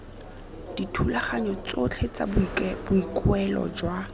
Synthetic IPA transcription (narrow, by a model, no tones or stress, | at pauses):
d̥itʰulaχaɲɔt͡sot͡ɬʰet͡sa̰bb̥ʊikʼʊɛlɔ̰d͡ʒwa